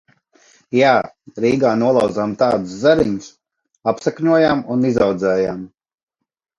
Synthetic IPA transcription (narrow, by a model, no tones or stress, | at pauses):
jaː | ɾiːɡaːnuɔlˠawd̪zamt̪aːd̪uszaɾiɲus | apsɛkɲuɔjamunizawd̪zɛːjam